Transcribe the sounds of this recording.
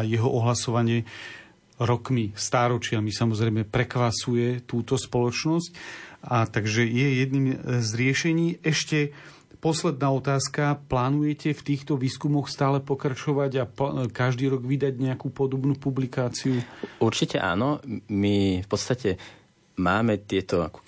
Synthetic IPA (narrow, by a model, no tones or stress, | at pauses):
jɛɦɔʔɔɦlasɔʋaɲɪɛ | ɾɔkmist̪aːɾɔt͡ʃɪamisamɔzɾɛɪmɛpɾɛkʋasujɛt̪uːt̪ɔspɔlɔt͡ʃnɔscat̪aɡʒɛjɛjɛd̪niːmzɾɪɛʃɛɲiːɛʃcɛ | pɔslɛd̪̚naːɔt̪aːskaplaːnujɛcɛft̪iːxt̪ɔʋiːskumɔxst̪aːlɛpɔkɾat͡ʃɔʋaɟapkaʒd̪iːɾɔɡʋid̪aɟɲɛakupɔd̪ɔbnuːpublikaːt͡siuuɾt͡ʃicɛʔa̰ːnɔmifpɔt̪st̪acɛ | maːmɛt̪ɪɛt̪ɔa̰k